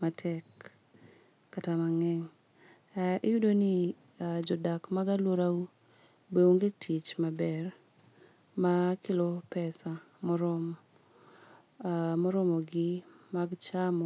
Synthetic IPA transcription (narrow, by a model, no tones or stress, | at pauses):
matʰɛk | atamaŋɛŋ | ɪjudonɪ | d͡ʒɔdakmaɡalwoɾau | bewoŋɡetʰit͡ʃmabɛr | makɪlɔpɛsa | mɔɾɔm | mɔɾɔmɔɡɪmaɡt͡ʃamɔ